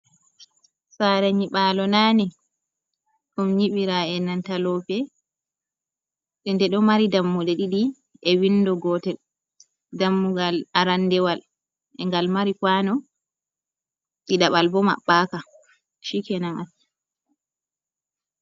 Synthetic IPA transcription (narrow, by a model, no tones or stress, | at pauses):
saɾɛɲiɓalɔnaːnɛ | ɗumɲiɓiɾaɛnantalɔpɛ | ɗɛndɛɗɔmaɾidamːudɛɗiɗi | ɛwindɔɡɔtɛl | damːuɡalaɾanːdɛwal | ʔɛŋɡalmaɾikwanɔ | ɗiɗaɓalbɔma̰ɓːaka | ʃikɛnaŋan